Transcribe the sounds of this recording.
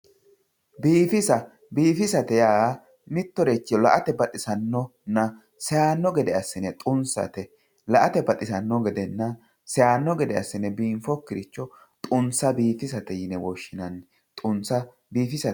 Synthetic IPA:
biːfɪsɐ | biːfɪsɐt̪ɛjaː | nɪt̪ːɔɾɛt͡ʃːɪɔlɐʔɐt̪ɛbɐt̪ʼɪsɐnːɔnːɐ | sɛjaːnːɔɡɛd̪ɛɐsːɪnɛt̪ʼʊnsɐ̰t̪ɛ | lɐʔɐt̪ɛbɐt̪ʼɪsɐnːɔɡɛd̪ɛnːɐ | sɛjaːnːɔɡɛd̪ɛɐ̰sːɪnɛbiːmfɔkːɪɾɪt͡ʃːɔ | t̪ʼʊnsɐbiːfɪsɐt̪ɛjɪnɛwɔʃːɪnɐn | t̪ʼʊnsɐ | biːfɪsɐ

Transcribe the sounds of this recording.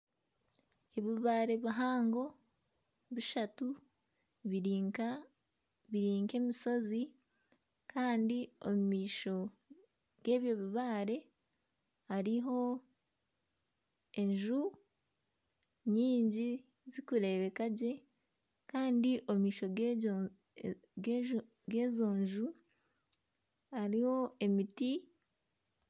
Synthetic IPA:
eβiβaːɾe̞βaɦaːŋɡo̞ | βiʃatu | βiɾiːŋke̞ːmiso̞zi | kaːndiomumiːʃo̞ | ɡ̥e̞ːβjo̞βiβaːɾe̞ | haɾiɦo̞ | e̞ɲʒu | ɲiːɲɟi | zikuɾe̞ːβe̞kaɟe̞ | kaːndiʔomumiːʃo̞ | ɡe̞ːzo̞ːɲʒu | haɾiho̞e̞miti

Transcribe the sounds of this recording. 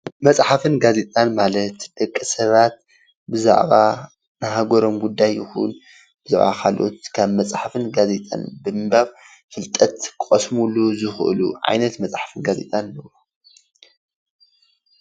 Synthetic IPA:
mɐt͡sʼħafɨnɡaze̞t̪ʼanmalɐt̪d̪̥ɐkʼːisɐβat̪̚ | bɨza̰ʕβa | nɨɦaɡoɾo̞mɡud̪ːajːɪxṵn | b̥ɨza̰ʕβa̰kʰalʔo̰t̪kʰaβmɐt͡sʼħafɨnɡazet̪ʼa̰nbɨmɨbaβ | fɨlt̪ʼɐt̪kʼɐsmuluzɨxʔɨ̰lṵʕa̰jnɐt̪mɐt͡sʼħḁfɨnɡazḛt̪ʼanɨlɐwo

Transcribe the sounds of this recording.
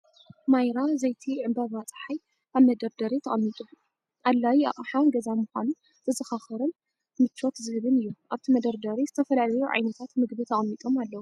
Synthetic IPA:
majɾazɐjt̪ʰiʕɨmbɐβat͡sʼħaj | kaβmɐd̪ɐɾd̪ɐɾit̪ʰɐχʼɐmːit̪ʼu | ʔalːajia̰ʔʼħanɡɐzamuxʷanun | z̥ɨzɨxaxɐɾɨn | mɨt͡ʃʰːot̪zɨhɨβɨnɨjːuʔaβt̪ʰimɐd̪ɐɾd̪ɐɾizɨt̪ʰɐfɐlalɐjuʕa̰jnɐt̪ʰat̪mɨɡbit̪ʰɐχʼɐmːit̪ʼo̞malːɐwu

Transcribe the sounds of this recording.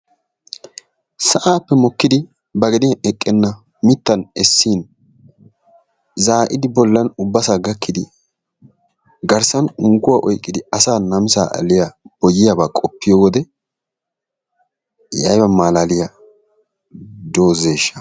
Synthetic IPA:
sɐʔaːpːɛmɔkːɪd̪ɪ | bɐɡɛd̪ɪʔɛkʼːɛnːɐ | mɪt̪ːɐnɛsːiːn | zaːʔɪd̪ɪbɔlːɐnʊbːɐsaːɡɐkːɪd̪ɪ | ɡɐɾsɐnʊŋɡʊwaːʔɔjkʼːɪd̪ɪɐsaːnɐmsa̰ːʔɐ̰lɪjab̥ɔjːɪjabaːkʼɔpːɪjowɔd̪ɛ | jɐ̰jbɐmaːlaːlɪja | d̪oːze̞ːʃːɐ̥

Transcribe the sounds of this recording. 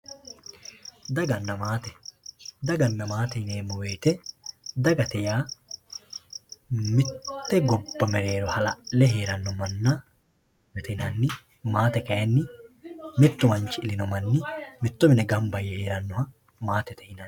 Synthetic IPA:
d̪ɐɡɐnːɐmaːt̪ɛd̪ɐɡɐnːɐmaːt̪ɛneːmːɔwe̞ːt̪ɛd̪ɐɡɐt̪ɛjaː | mɪt̪ːɛɡɔbːɐmɛɾe̞ːɾɔhɐlɐʔlɛɦe̞ːɾɐnːɔmɐnːɐ | ɛt̪ɛnɐnːɪ | maːt̪ɛkɐjɐnːɪ | mɪt̪ːʊmɐnt͡ʃːɪɪlɪnɔmɐnːɪmɪt̪ːʊmɪnɛɡɐmbɐjːɛheːɾɐnːɔhɐ | maːt̪ɛt̪ɛɪnan

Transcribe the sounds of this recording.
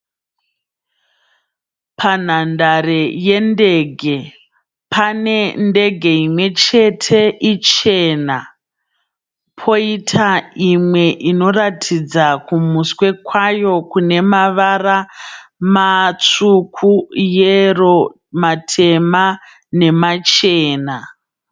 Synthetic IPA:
pʰan̤andare̞je̞nde̞ːɡʱe̞ | pʰane̞nde̞ɡʱe̞imwe̞t͡ʃe̞tʰe̞ʔit͡ʃe̞na | pʰo̞itʰaimwe̞ʔino̞ratʰid͡zakumuswe̞kwajo̞kune̞maʋaramat͡sukʰujero̞ | matʰe̞ma | ne̞mat͡ʃe̞ːna

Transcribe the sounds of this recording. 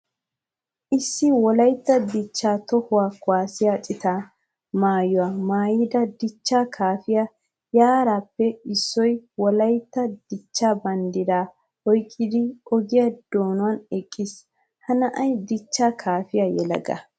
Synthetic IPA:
ʔɪsːɪwɔlɐjt̪ːɐd̪ɪt͡ʃːaːt̪ɔhʊwaːkʊwaːsɪjaːt͡sʼɪt̪aː | maːjʊwaːmaːjɪd̪ɐd̪ɪt͡ʃːaːkʰaːfɪja | jaːɾaːpːɛɪsːɔjwɔlɐjt̪ːɐd̪̥ɪt͡ʃːaːbɐnd̪ɪd̪aː | hɔjkʼːɪd̪ɪɔɡɪjɐd̪̥oːnʊwɐnɛkʼːɪs | hɐnɐʔɐjd̪ɪt͡ʃːaːkʰaːfɪjajɛlɐ̰ɡɐ̰

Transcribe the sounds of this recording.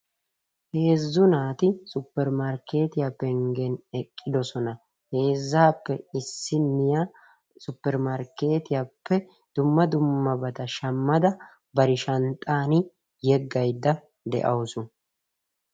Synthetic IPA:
he̞ːzːʊnaːt̪ɪsʊpːɛɾmɐɾkʰe̞ːt̪ɪjapːɛŋɡɛnɛkʼːɪd̪ɔsɔnɐ | he̞ːzːaːpːɛɪsːɪnːɪja | sʊpːɛɾmaɾke̞ːt̪ɪjapːɛ | d̪̥ʊmːɐd̪ʊmːɐbɐt̪ɐʃɐmːɐd̪ɐ | bɐɾɪʃɐnt̪ʼːaːnɪ | jɛɡːɐjd̪ːɐ | d̪ɛ̰ʔɐwsʊ

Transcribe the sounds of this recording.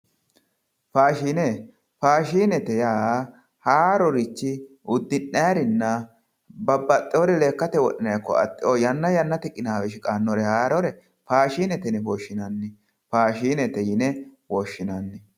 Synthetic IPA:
faːʃiːne | faːʃiːnɛt̪ɛjaː | haːɾɔɾɪt͡ʃːɪ | ʊd̪ːɪnːajaɾɪnːɐ | bɐbːɐt̪ʼːɪɔɾɛle̞ːkːɐt̪ɛwɔɗɪnɐjkːɔ̰ɐ̰t̪ʼːɪojɐnːɐjɐnːɐt̪ɛkʼːɪnaːwɛʃɪkʼaːnːɔɾɛhaːɾɔɾɛ | faːʃiːnɛt̪ɛnɪwoːʃːɪnɐnːɪ | faːʃiːnɛt̪ɛjɪnɛwoʃːɪnanːɪ

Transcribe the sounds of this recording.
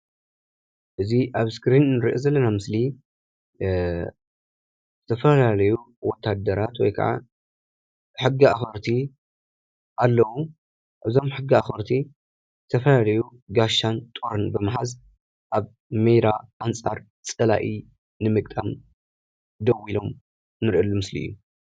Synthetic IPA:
ʔɨziʔaβskɾinnɨɾʔozɐlːɐnamɨsli | zɨt̪ʰɐfɐlalɐju | wɔt̪ʰːad̪ːɐɾat̪wɔ̰jkʰɐ̰ʕa̰ | ħɨɡːiaxɐɾt̪ʰi | ʔalːɐwu | ʔɨzo̞mħɨɡːiaxɐɾt̪ʰi | zɨt̪ʰɐfɐlalɐjuɡaʃːant̪ʼuɾɨnbɨmaħaz | ʔaβ | mejɾaʔant͡sʼaɾ | t͡sʼɐla̰ʔi | nɨmɨkʼt̪ʼam | d̪ɐwilo̞m | nɨɾʔɐlːumɨslḭɨ̰jːu

